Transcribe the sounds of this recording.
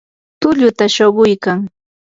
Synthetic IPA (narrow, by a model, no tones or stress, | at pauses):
t̪ʊʎʊt̪aʃoɢʊjkaŋ